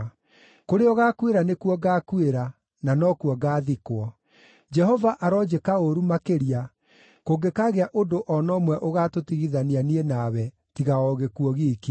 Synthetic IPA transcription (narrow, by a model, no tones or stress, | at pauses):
koɾeɔɣaːkweɾanekuɔɡaːkueɾa | nanɔkuɔɡaːðikwɔ | d͡ʒɛɦɔvaʔaɾɔd͡ʒekaoɾumakeɾia | koɡekaɣeaʔodoʔɔnɔmwɛʔoɣatotiɣiðanianienawɛ | tiɣaɔɣekuɔɣiki